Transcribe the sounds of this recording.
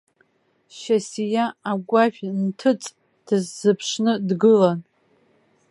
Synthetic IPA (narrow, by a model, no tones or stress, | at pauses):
ʃasijaːɡʷaʒᶣʲntʰɨt͡sʼ | d̥ɨzːɨpʰʂnɨdɡɨlan